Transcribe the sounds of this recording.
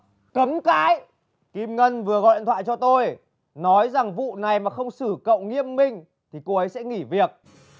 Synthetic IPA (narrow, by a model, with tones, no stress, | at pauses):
kə˨˦mka̰ː˧˥j | ki˧mŋə˧nvɨ˨˩əɣɔ̰˨jl̰nt̪ʰwaː˧˨jt͡ɕɔ˧t̪o˧j | nɔ˨˦jza˨˩ŋvṵ˧˨na˨˩jmaː˨˩xə˧wŋ͡msɨ˧˩kə̰˧˨wŋḭ˧˥˨əmːï˧ŋ̟ | t̪ʰi˨˩ko˨˧˩ʔə˨˦jsɛ̰˧˥ŋi˧˩vi˨˩ək̚